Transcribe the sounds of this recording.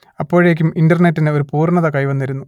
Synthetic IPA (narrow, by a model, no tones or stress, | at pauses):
ɐpːo̞ːɻeːk̬ʲːumindɐrnetːineo̞ɾupuːrɳɐðɐkɐjʋɐnːɐɾunːu